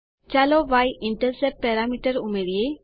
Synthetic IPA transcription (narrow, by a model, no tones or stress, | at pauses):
t͡ʃaloʋajɪɳʈəɾsɛp̚pɛɾamiʈəɾumeɾie